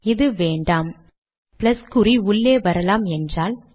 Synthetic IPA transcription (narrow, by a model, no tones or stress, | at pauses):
ɪðɯʋeːɳɖaːm | plɐskʊɾiʊɭːeːʋɐɾɐlaːmɛndraːl